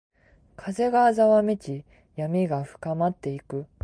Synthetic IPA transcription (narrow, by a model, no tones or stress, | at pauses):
kʰaze̞ɡaːzaβamʲet͡ɕi | jamʲiɡaɸɯ̟̥kamat̪ːe̞ikɯ̟